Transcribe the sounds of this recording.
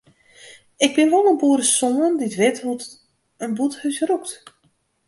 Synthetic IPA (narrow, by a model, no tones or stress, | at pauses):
ɪɡ̚bɪnʋɔlˠənbuəɾəsɔŋənditʋɪtɦut | ənbuthœɥsrukt